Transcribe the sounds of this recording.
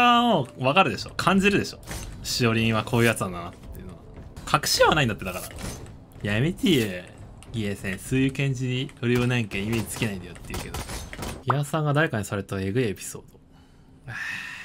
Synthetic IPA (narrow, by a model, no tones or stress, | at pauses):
amoːβakaɾɯ̟d̪e̞ɕo̞̰ːkʰãɲ̟d͡ʑiɾɯ̟d̪e̞ɕo̞̰ɕio̞ɾʲĩɰ̃βakʰo̞ːjɯ̟ːjat͡sɨd̪anaat̪ːeɯ̟noɡakʰakɯ̟̥ɕiβanãĩnd̪at̪ːed̪akaɾa | jamʲit̪ʲie | ɡʲiesẽ̞ɰ̃sɨːjɯ̟kẽ̞ɲ̟d͡ʑiɲijoɾʲɯonẽŋkẽime̞ːd͡ʑi̥t͡sɨ̥kʲenaĩnd̪ajot̪ːejɯ̟ke̞d̪o̞̰iasãŋɡad̪aɾe̞kaɲ̟isaɾe̞t̪aeɡɯ̟iepʲi̥so̞̰ːd̪̥o̞